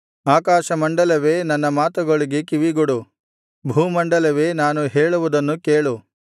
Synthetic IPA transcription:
aːkaːʃɐmɐɳɖɐlɐʋe̞ːnɐnːɐmaːt̪ɐɡɐɭiɡekiʋiɡoɽu | bʱuːmɐɳɖɐlɐʋeːnaːnuɦeːɭuʋud̪ɐnːukeːɭu

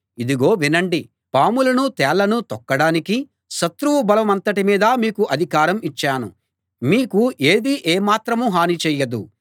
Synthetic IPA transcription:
id̪iɡo̞ːʋinɐɳɖi | paːmulɐnut̪ɛːɭːɐnut̪ɔkːɐɽaːniki | ʃɐt̪ɾuʋubɐlɐmɐnt̪ɐʈimiːd̪ɐmiːkuʔɐd̪ʱikaːɾɐmit͡ʃːaːnu | miːkuʔe̞ːd̪iʔeːmaːt̪ɾɐmuɦaːnit͡ʃɛːjɐd̪u

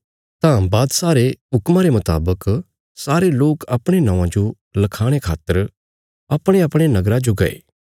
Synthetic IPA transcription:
t̪ãbaːd̪saːɾeɦʊkmaɾemʊt̪a̰ːbək | saːɾeloːkɐpɽ̃enãːʋãd͡ʒo | lɐkʰaːɽ̃ekʰa̰ːt̪ːəɾ | ɐpɽ̃eɐpɽ̃enɐɡɾãd͡ʒoɡɐḛː

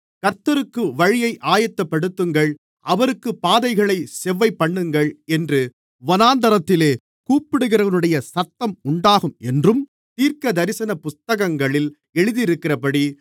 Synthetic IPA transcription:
kɐɾt̪ːɐɾɯkːɯʋɐɻɪjɐɪʔaːjɐt̪ːɐpːɐɽɯt̪ːɯŋɡɐɭ | ʔɐʋɐɾɯkːɯpaːðɐɪɣɐɭɐɪsɛʋːɐɪpːɐɳːɯŋɡɐɭɛndrɯ | ʋɔnaːnd̪ɐɾɐt̪ːɪleː | kuːpːɪɽɯɣɪɾɐʋɐnɯɽɐjɐsɐt̪ːɐmʊɳɖaːɣɯmɛndrɯm | t̪iːɾkɐd̪ɐɾɪsɐnɐpʊst̪ɐɣɐŋɡɐɭɪl | ɛɻɯðɪɪɾɯkːɪrɐpɐɽi

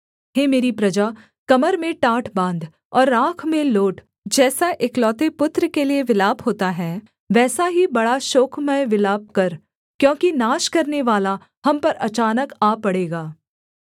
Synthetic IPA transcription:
ɦeːmeːɾipɾɐd͡ʒaː | kɐməɾmẽʈaːʈʰbãːnd̪ | ɔːɾːãːkʰmẽloːʈ | d͡ʒɛːsaʔeːklɔːt̪epʊt̪ɾəkelieʋɪlaːbɦoːt̪aɦɛː | ʋɛːsaɦibɐɽaʃoːkʰmẽʋɪlaːp̚kɐɾ | kjõːkinaːʃkɐɾneʋaːla | hɐmpɐɾɐ̰t͡ʃaːnəkaːpɐɽeːɡaː

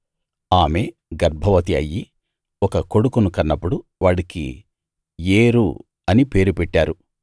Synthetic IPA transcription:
aːme̞ː | ɡɐɾbʱɐʋɐt̪iɐ̰jːi | ɔkɐko̞ɽukunukɐnːɐpːuɽuʋaːɽikḭ | jeːɾṵ | ɐnipe̞ːɾupɛʈːaːɾu

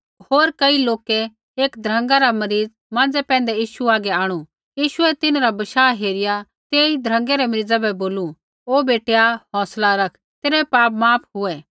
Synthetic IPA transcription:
hoːɾkɐiloːkɛ | eːkd̪ʱɾɐ̃ŋɡaɾamɐɾiːd͡z | mãːnd͡zɛpɛ̃ːn̆d̪ɛjiːʃuaːɡɛaːɽ̃u | jiːʃʊɛt̪ɪnaɾabɐʃaːɦeːɾɪja | t̪eːid̪ʱɾə̃ŋɡɛɾɛmɐɾiːd͡zɛbɛboːlu | oːbeːʈejaɦɔ̃ːslaɾɐkʰ | t̪eːɾɛpaːpmaːpʰɦʊɛ

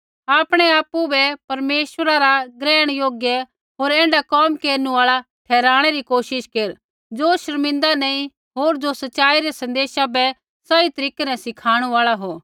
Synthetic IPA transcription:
aːpɽ̃ɛaːpːubɛpɐɾmeːʃʋəɾaɾaɡɾɛːɽ̃joːɡjɛ | ɦoːɾɛ̃ːɳɖakɔːmkeːɾnuaːɭat̪ʰɛːɾaːɽ̃ɛɾikoːʃɪʃkeːɾ | d͡ʒoʃɐɾmɪ̃nd̪anɛĩ | ɦoːɾd͡ʒosɐtːʃaːiɾɛsɐ̃nd̪eːʃabɛ | sait̪ɐɾiːkenɛ̃sɪkʰaːɽ̃uaːɭaɦoː

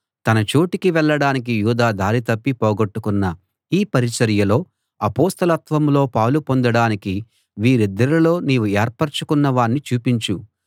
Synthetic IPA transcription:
t̪ɐnɐt͡ʃoːʈikiʋɛɭːɐɽaːnik̬ijuːd̪aːd̪aːɾit̪ɐpːipɔːɡɐʈːukunːɐ | iːpɐɾit͡ʃɐɾjɐlo̞ː | ɐpoːst̪ɐlɐt̪ʋɐmlo̞ːpɐwlupo̞nd̪ɐɽaːniki | ʋiːɾid̪ːɐɾilo̞ːniːʋueːɾpɐɾt͡ʃu̥kunːɐʋaːɳːit͡ʃuːpiɲt͡ʃu

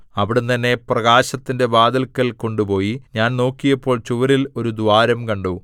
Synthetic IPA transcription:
ɐʋiɽent̪ɐnːe̞prɐɡaːɕɐt̪ːinde̞baːd̪ɐlkːɐlko̞ɳɖupo̞ːjiɲaːnno̞ːkːijɐpːo̞ːɭt͡ɕuʋɐɾilo̞ɾud̪uʋaːɾɐmkɐɳɖu

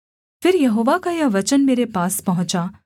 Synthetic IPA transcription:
fɪɾjɐɦoːʋakajaʋɐt͡ʃənmeːɾepaːspɐɦʊ̃t͡ʃa

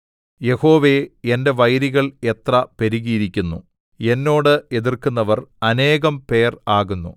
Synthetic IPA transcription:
je̞ho̞ːʋe̞ende̞ʋɐjɾiɣɐɭe̞t̪rɐpeɾiɣiːɾikʲːunːṵ | e̞nːo̞ːɽɨe̞ðirkunːɐʋɐrɐne̞ːɣɐmpe̞ːraːɣunːṵ

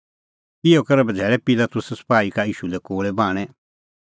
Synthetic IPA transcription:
ɪjokɐɾɛbɐd͡zʱɛːɾɛpɪlat̪ʊsspaːikaiːʃulɛkoːɭɛbaːɽ̃ɛ̃

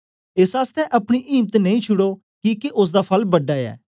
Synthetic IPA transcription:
eːsaːst̪ɛʔɐpɽ̃iʔiːmt̪nɐĩt͡ʃʰʊɽo | kiːkeʔʊs̬d̪apʰɐlbɐɖaɛ̰ː

